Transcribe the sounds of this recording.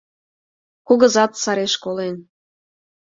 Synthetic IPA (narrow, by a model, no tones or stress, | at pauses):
kuɣə̆zɑt̪sɑɾeʃkolen